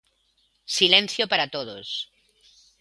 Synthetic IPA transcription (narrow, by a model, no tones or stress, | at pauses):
silẽn̟θjopaɾat̪oðos